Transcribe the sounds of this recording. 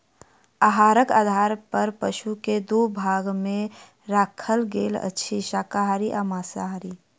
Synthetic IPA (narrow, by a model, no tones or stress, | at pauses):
aɦaːɾəka̰ːd̪ʱaːɾpəɾpəʃuked̪ubʱaːɡmẽ | ɾaːkʰəlɡeːlə̰tːʃʰiʃaːkaɦaɾiʔamaːsaɦaɾi